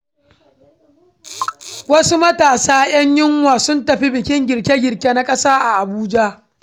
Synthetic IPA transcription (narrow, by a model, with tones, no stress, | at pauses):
wɐ˦su˦mɐ˦taː˨saː˦j̰ɐ˦ɲjɪ˦ŋwaː˨sʊ˦ntɐ˨ɸi˦bɪ˨kʲɪ˦ŋɡʲɪ˨ɽkʲe˦ɡʲɪ˨rkʲe˦na˦kʼɐ˦saː˦ʔa˨ʔa˨buː˦d͡ʒa˦